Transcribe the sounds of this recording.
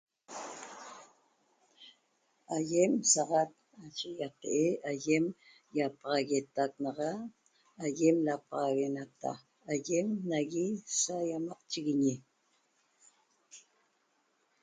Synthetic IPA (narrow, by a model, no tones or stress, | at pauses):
ajemsɑʁɑt̪̚nat͡ʃejat̪eʔeajem | japɑʁɑɣet̪ak̚nɑʁɑː | jemlapɑʁɑɣenat̪a̰ː | jemnaɣisajamɑqt͡ʃiɣiɲi